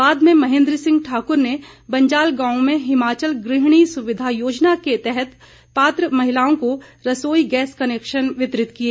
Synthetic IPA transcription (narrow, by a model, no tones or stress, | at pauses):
baːd̪mẽmɐɦẽːnd̪ɾəsɪ̃ŋɡʈʰaːkʊɾne | bɐ̃ɲd͡ʒaːlɡãːõmẽɦɪmaːt͡ʃəlɡɾɪɦɽ̃isʊʋɪd̪ʱajoːd͡ʒnaket̪ɛɦɛt̪ | paːt̪ɾəmɐɦɪlaːõkoɾɐsoːiɡɛːskɐneːkʃənʋɪt̪ɾɪt̪kieː